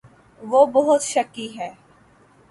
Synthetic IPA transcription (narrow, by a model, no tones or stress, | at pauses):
ʋoːbɔɦʊt̪ʃɐkiɦɛː